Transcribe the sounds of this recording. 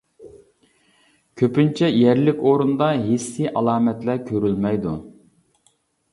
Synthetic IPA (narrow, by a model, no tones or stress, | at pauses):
kʲʰøpynt͡ʃʰɛjæɾlɪkʲoɾund̪ɑɦesːiʔɑlˠɑːmɛt̪læɾkʲʰøɾylmɛjd̪u